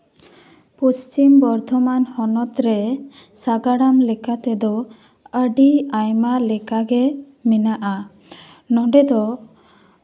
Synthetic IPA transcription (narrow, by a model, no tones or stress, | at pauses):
post͡ʃimbɔɾd̪ʱɔmanhɔnɔt̪ɾɛsaɡaɽamlɛkat̪ɛd̪ɔ | əɖiajmalɛkaɡɛ | minaʔa | nɔɳɖɛd̪ɔ